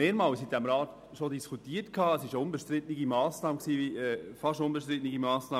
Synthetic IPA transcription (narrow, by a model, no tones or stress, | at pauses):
meːɾmɑːwshit̚d̥æmɾɑːt | ʃodiskutiːətkʰɑːəsɪʃʊnbəʃt̪ɾɪtnɪɡimɑːsnɑːməksiːviɛːfɑʃʊnbəʃt̪ɾɪtniɡimɑːsnɑː